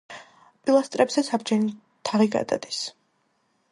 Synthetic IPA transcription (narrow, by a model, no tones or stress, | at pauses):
pʼilˠast̪ʼɾɛbzɛsʰabd͡ʒɛni | t̪ʰaʁiɡa̰d̪a̰d̪is